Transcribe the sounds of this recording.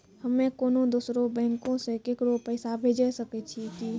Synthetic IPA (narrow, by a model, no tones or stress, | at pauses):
həmːekoːnod̪oːsɾobɛ̃ŋkõsekekɾopəɪsabʱed͡ʒɛsəkɛt͡ʃʰiki